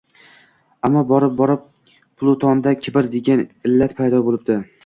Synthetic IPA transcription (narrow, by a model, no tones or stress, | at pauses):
amːɒbɒɾɪp̚bɒɾɪp̚ | pʊlˠʊt̪ʰɒnd̪akʲʰɪbɪɾd̪e̞ɡʲanɪlːat̪pʰajd̪ɒbolˠɪb̚d̪̥ɪ